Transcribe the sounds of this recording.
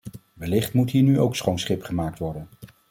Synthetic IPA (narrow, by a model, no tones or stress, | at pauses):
ʋəlɪχtmutɦiːɹnyowksχownsχɪpχəmaːk̚tʋɔɹdən